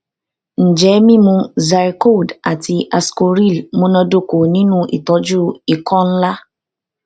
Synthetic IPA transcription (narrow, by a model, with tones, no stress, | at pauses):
n̩˨d͡ʒɛ˨˦mĩ˦mũ˧za˨˧ɾi˧ko˦˨da˨ti˧ʔa˧sko˧ɾi˦˨lmõ˦nɔ̃˧do˦ko˨nĩ˨˦nũ˦ʔḭ˨tɔ˨˦d͡ʒu˦i˨kɔ̃˦n̩˦la˦